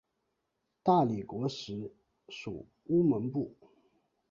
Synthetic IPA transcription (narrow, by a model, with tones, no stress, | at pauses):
t̪a˥˩li˨˩kwɔ˧˥ʂɻ̩˧˥ | ʂṵ˨˩ | u˥mə˧˥npu˥˩